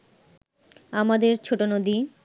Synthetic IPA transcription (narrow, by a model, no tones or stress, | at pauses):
amad̪eɾt͡ɕʰoʈonod̪i